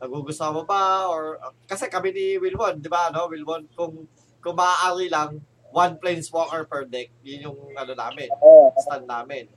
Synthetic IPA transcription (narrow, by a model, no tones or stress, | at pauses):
nɐɡ̚uɡʊst̪omobaʔoɹkɐsɛkɐminɪwɪlwond̪ɪbaɐno̞wɪlwonkʊŋ | kʊŋmɐʔaʔaːɾilɐŋ | wanplɛjnswokɛɹpɛɹd̪ɛk̚jʊnjʊŋʔɐnona̰ːmɪnst̪anːaːmɪn